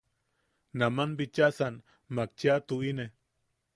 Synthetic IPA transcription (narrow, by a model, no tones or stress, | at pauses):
namanbit͡ʃasan | mak̚t͡ʃiat̪uine